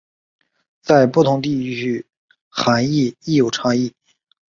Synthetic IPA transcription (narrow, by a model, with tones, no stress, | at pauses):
t͡sa˥˧ɪpu˥˩t̪ʰʊ˧˥ŋt̪i˥˧˥y˥˩ | xa˧˥ni˥˧i˥˩jo˨˩ʊʈ͡ʂʰɑ˥˧ŋi˥˩